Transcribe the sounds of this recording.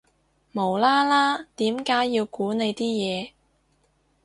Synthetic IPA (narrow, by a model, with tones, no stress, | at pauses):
mo˨˩wlaː˥laː˥t̪iː˨˥mkaː˨˥jːi˧wkuː˨˥ne˨˧jt̪iː˥jɛː˨˧